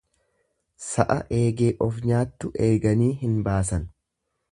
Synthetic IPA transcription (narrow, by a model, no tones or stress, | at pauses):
sɐʔɐʔe̞ːɡe̞ːʔɔfɲaːt̪ːʊʔe̞ːɡɐniːɦɪnbaːsɐn